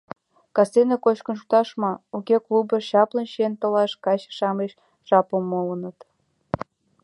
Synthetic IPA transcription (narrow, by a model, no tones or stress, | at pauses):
kɑsenekot͡ɕkə̆nʃ̬u̥t̪ɑʃmɑukʲeklubəʃɑplənʃent̪ə̆lɑʃkɑt͡ɕʃɑmeʃ | ʒɑpəmːolənət̪